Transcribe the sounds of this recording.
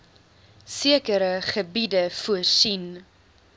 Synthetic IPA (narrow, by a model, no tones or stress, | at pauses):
siəkəɾəχəbidəfuəsin